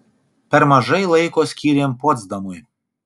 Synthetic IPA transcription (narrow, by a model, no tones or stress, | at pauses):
pʲɛɾmɐʒɐjlˠɐɪkoːsʲkʲiːɾʲeːmpɔd̪zd̪ɐmʊj